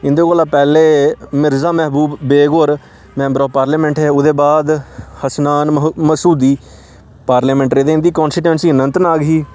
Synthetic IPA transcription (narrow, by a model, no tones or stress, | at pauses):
ɪnd̪eːkoːlaːpɛːleːmɪɾzaːmɛːɦbuːbːeːɡoɾ | mɛ̃ːmbɾoːpaːɾlɛːmɛ̃ːɳʈɦɛːʊd̪eːbaːd̪həsnaːnməsuːd̪iː | paːɾleːmɛ̃ːɳʈɾeːd̪eːɪnd̪iːkɔ̃ːnsiʈɛ̃ːnsiːənənt̪ənaːɡɦiː